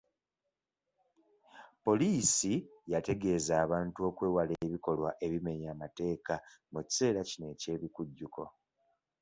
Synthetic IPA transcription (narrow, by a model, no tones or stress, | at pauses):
po̞liːsijate̞ɡe̞ːzaːβaːntuo̞kwe̞ːwaleːβiko̞lwaʔe̞βime̞ɲaːmate̞ːkamuci̥se̞ːɾacine̞ce̞ːβikuɟːuko̞